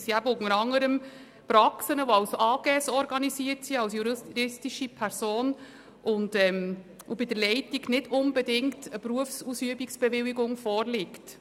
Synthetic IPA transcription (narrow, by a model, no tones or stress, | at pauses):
siæbokməɾɑŋːəɾəm | pɾɑksənəʋoɑʊsoɑːɡ̥ɛːsɔɾɡɑnisiːəɾtsiɑlsjuɾɾɪstiʃipʰɛɾsoːn | ʔʊndɛm | obɪdəɾlɛɪtiɡnɪdʊnbɛdɪŋktəpɾuəfsusyəbiksb̥ɛʋɪliɡʊŋfɔːɾlɪkt